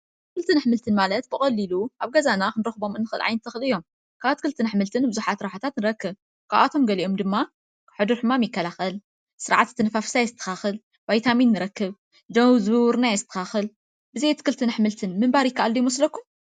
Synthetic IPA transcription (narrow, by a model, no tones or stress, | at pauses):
t̪ɨkɨlt̪ʰɨnaħmɨlt̪ʰɨnmalɐt̪bɨkʼɐlːiluʔaβɡɐzanakɨnɨɾɐxɨbo̞mɨnːɨxɨlʕa̰jnɨt̪ʰːɐxɨlɨjːo̞m | kʰaβat̪ʰɨkʰɨlt̪ʰɨnaħmɨlt̪ʰɨnbɨzuħat̪ɾaħat̪ʰat̪nɨɾɐkːɨβ | kʰaβʔat̪ʰo̞mɡɐliʔo̞md̪ɨmːa | ħɨd̪uɾħɨmamjɪkːɐlaxɐl | sɨɾʕat̪t̪ʰːɨnɨfafsajzɨt̪ʰːɐ̥xaxɨl | bajt̪ʰaminːɨɾɐkːɨβ | d̪ɐwzɨɾnajɛzɨt̪ʰːɐ̥xaxɨl | bɨzejt̪ʰɨ̥kʰɨlt̪ʰɨnħmɨlt̪ʰɨnmɨmbaɾjɪkːaʔalːujɪmɐslɐkːum